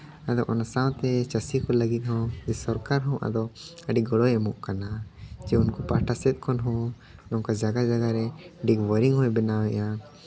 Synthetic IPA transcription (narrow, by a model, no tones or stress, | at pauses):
ad̪ɔʔɔnasaw̃t̪ɛt͡ʃəsikɔləɡit̪̚ˀhɔ̃wd͡ʒɛsɔɾkaɾɦɔ̃ʔa̰d̪ɔəɖiɡɔɽɔjɛmɔʔkanad͡ʒɛunkɔpaʈasɛt̪̚ˀkʰɔnɦɔ̃ | lɔŋkad͡ʒaɡad͡ʒaɡaɾɛɖikwəɾiŋɦɔ̃jbɛnawɛʔa